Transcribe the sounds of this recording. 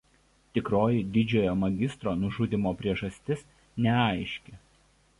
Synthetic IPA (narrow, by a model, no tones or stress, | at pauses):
t̪ʲɪkɾoːjɪd̪ʲɪd͡ʒʲoːjoːmɐɡʲɪst̪ɾoːnʊʒʊd̪ʲɪmoːpʲɾʲiɛʒɐsʲt̪ʲɪs | nʲɛɐˑɪʃʲkʲe